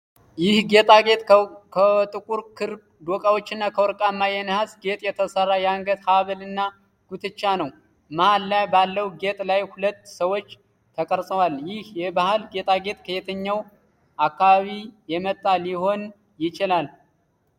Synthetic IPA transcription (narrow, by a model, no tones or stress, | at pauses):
jɪhɡet̪ʼaɡet̪ʼkʰət̪ʼɨkʼuɾkʰɨɾ | d̪okʼawot͡ʃːɪnːakʰəwɔɾkʼamːajɛnhasɡe̞t̪ʼjɛt̪ʰəsərːajaŋɡət̪haβəlɨnːa | ɡ̥ut̪ʰɨt͡ʃːanəw | mahalːajbalːəwɡe̞t̪ʼlajhulət̪ːsəwo̞t͡ʃː | t̪ʰəkʼəɾsʼəwaljɪhjɛbahalɡe̞t̪ʼaɡe̞t̪ʼkʰəjet̪ʰəɲːaw | ʔakːaβaβijɛmət̪ʼːaliho̞n | jɪt͡ʃɪlal